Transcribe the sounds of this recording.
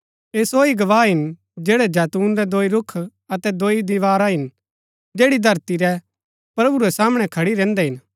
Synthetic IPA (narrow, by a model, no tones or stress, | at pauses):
eːsoːiɡɐʋaːɦɪn | d͡ʒɛːɽɛd͡ʒɛːt̪uːnɾɛd̪oːiɾʊkʰ | ɐt̪ɛd̪oːid̪ɪʋaːɾaɦɪn | d͡ʒeːɽid̪ʱɐɾt̪iɾɛ | pɾɐbuɾɛsaːməɽ̃ɛkʰɐɽiɾɛ̃ːnd̪ɛɦɪn